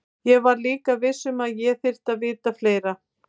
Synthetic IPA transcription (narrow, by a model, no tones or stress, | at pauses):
jɛɣvaɾliːkavɪsːʏmaðjɛθɪr̥t̪aðvɪːt̪afleːjɾa